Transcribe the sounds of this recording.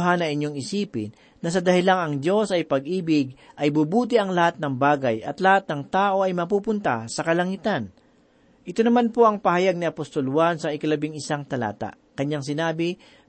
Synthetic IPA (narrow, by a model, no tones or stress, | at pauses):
ɦanɐŋɪɲːo̞ŋɪsiːpɪ̰n | nɐs̬ɐd̪ɐhɪlaŋɐŋd̪o̞sɐjpɐɡ̚ʔiːbɪɡ̚ʔɐjbubuːt̪̬ɪʔɐŋlɐhat̪̚nɐŋbaːɡɐjʔɐ̰t̪lɐhat̪̚nɐŋt̪aːʔo̞ʔɐjmɐpupʊnt̪asɐkɐlɐŋit̪an | ʔɪt̪o̞nɐmanpo̞ʔɐŋpɐhɐjaɡ̚nɪɐpost̪o̞lwansɐɪkɐlɐbɪŋɪsaŋt̪ɐla̰ːt̪a̰ʔ | kɐɲːaŋs̬ɪnaːbɪ